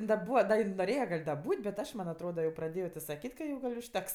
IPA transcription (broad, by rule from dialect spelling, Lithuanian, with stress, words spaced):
ɪn dɐ ˈbuːʋɐ ˈdɐ ɪn noːˈrʲeːjɛ ɡɐlʲ dɐ ˈbuːtʲ bʲɛt ˈɐʃ mɐnʲ ɐtˈroːdɐ jɛʊ prɐˈdʲeːjoː tʲɪ sɐˈkʲiːtʲ kɐ ˈjɛʊ ʊʃʲˈtʲɛks